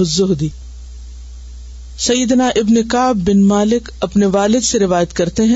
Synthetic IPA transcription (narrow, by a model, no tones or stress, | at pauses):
ɐzʊɦd̪iː | sɐjːəd̪naʔɪbnekaːbːɪnmaːlɪkɐpneʋaːlɪd̪seɾɪʋaːjət̪kɐɾt̪eɦɛ̃